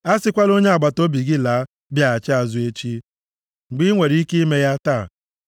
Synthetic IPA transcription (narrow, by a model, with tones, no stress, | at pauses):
a˦sɪ˦kʷa˦lo˦ɲe˦a˨ɡ͡ba˨to˦bi˨ɡɪ˦laː˨˦ | bja˦˨a˨t͡ʃɪ˦a˨zʊ˦e˦t͡ʃi˦ | ŋ͡m̩˨ɡ͡bi˦ŋʷe˨ɾi˦ke˦i˦me˦ja˦taː˦˨